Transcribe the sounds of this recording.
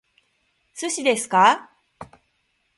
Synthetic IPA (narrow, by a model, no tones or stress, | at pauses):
sɨɕid̪e̞sɨ̥ka